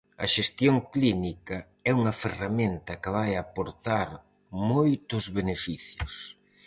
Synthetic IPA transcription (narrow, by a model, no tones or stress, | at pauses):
ɐ̰ʃest̪joŋklinikɐ | ɛuŋɐferamẽnt̪ɐkɪβajapoɾt̪aɾ | mojt̪ʊzβenefiθjʊ̰s